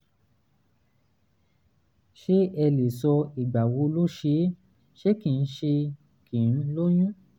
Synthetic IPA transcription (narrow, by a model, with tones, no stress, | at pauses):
ʃe˦ɛ˧le˨sɔ˧i˨ɡ͡ba˨wo˧˦lo˦ʃe˨˦ | ʃe˦kĩ˨n̩˦ʃe˧ | kĩ˨n̩˦lo˦j̃ũ˦